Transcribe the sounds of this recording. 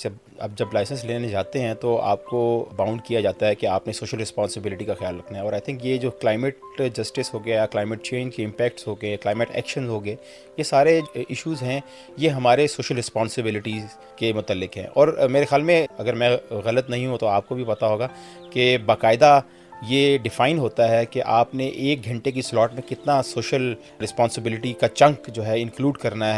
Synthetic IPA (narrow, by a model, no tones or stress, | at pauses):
ɐb | ɐ̰b̚d͡ʒɐblaːɪsə̃nsleːnenẽd͡ʒaːt̪eɦɛ̃t̪oa̰ːp̚kobãːʊ̃ɳɖkijad͡ʒaːt̪aɦɛkeaːpnesoːʃəlɾɪspɔ̃ːnsɪbɪlɪʈikaxɪjaːlɾɐkʰnaɦɛɔːɾaːɪt̪ʰɪ̃ŋkjed͡ʒoːklaːɪmɪʈd͡ʒɐsʈɪsɦoːɡɐjajaklaːɪmɪʈt͡ʃẽːɲd͡ʒkeɪ̃mpɛːk̚ʈsɦoːɡeklaːɪmɪʈɛ̰ːkʃə̃nzɦoːɡe | jesaːɾeɪʃuːzɦɛ̃ | jeɦɐmaːɾesoːʃəlɾɪspɔ̃ːnsɪbɪlɪʈi | kemʊt̪əlːɪkɦɛ̰̃ːʔɔːɾmeːɾexjaːlmẽɐɡəɾmɛ̃ɣɐlət̪nɐɦĩɦũt̪oaːp̚kobʱipɐt̪aɦoːɡaː | kebaːqaːɪd̪a | jeɖɪfaːɪnɦoːt̪aɦɛkeʔaːpneʔeːk̚ɡʱɐ̃ɳʈek̬islɔːʈmẽkɪt̪nasoːʃəl | ɾɪspɔ̃ːnsɪbɪlɪʈikat͡ʃɐ̃ŋkd͡ʒoːɦɛɪ̃ŋkluːɖkɐɾnaɦɛ